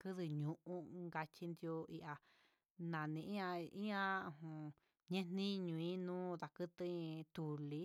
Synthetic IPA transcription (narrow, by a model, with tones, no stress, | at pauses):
kɨ˦ðɨ˧ɲũ˧ʔũ˦ŋɡa˧t͡ʃi˧nd̪jo˧i˧ʔa˧ | nã˨nĩ˧ĩ˦ã˧ĩ˦ã˦˧hũ˨ | ɲẽ˦n̥nĩ˦ɲũ˧ĩ˦nũː˦ða˨kɨ˦t̪ɨ̃˦˧t̪u˨li˦